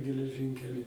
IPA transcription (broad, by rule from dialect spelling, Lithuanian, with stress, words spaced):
ɡʲɛlʲɛˈʒʲɪŋʲkʲɛlʲɪ